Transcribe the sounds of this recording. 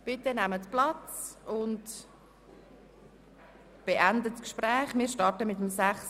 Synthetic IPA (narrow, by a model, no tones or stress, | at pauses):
b̥ɪtənæmətplɑt͡sʊnt | b̥eʔændəskʃprɛːχmɪːɾʃtɑɾtəmɪtəmsæχs